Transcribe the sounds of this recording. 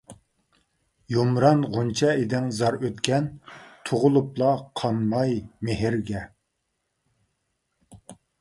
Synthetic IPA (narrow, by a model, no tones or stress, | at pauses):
jomɾɑnʁunt͡ʃʰɛed̪ɪŋzɑɾøt̪kʲɛnt̪ʰoʁʊlˠuplˠɑqʰɑnmɑjmeɦɪɾɡʲɛ